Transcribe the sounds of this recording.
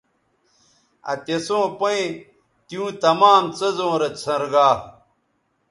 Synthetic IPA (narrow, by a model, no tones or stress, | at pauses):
ɐ̰t̪esõːpɐi | t̪ijũːt̪ɐmaːmt͡sɐzõːɾɐt͡sʰɐ̃ɾɡaː